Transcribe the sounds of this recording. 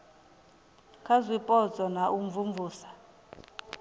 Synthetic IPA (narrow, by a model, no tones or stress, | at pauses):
kʰazwipʼɔt͡sʼɔnaʔuɱvumvuːsḁ